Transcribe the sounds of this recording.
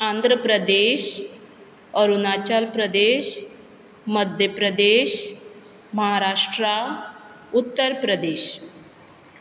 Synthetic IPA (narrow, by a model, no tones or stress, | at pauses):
ãnd̪ʱɾəpɾəd̪eɕ | əɾunat͡ɕalpɾəd̪eɕ | məd̪ʱjəpɾəd̪eɕ | məɦaɾaʂʈɾa | ut̪ːəɾpɾəd̪eɕ